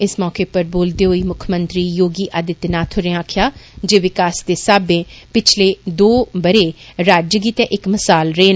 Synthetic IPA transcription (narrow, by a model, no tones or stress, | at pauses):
ɪsmɔːkeːpəɾboːld̪eːɦoːiːmʊkʰəmə̃nt̪ɾiːjoːɡiːʔad̪ɪt̪naːt̪ʰʊɾẽãːkʰjaːd͡ʒeːʋɪkaːsd̪eːsaːbẽːpɪt͡ʃʰleːd̪oːbəɾeːɾaːd͡ʒɡiːt̪ẽːʔɪkməsaːlɾeːn